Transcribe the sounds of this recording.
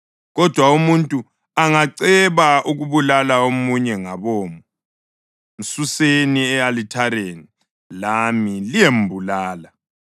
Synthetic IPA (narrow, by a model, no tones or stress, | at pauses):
ɣɔd̥ʱwaumuntʼu | aŋaǀɛβaʔuɣuβulalaomuɲɛŋaβoːmu | m̩suseniɛalitʰaɾeːni | lamilijembʱulaːla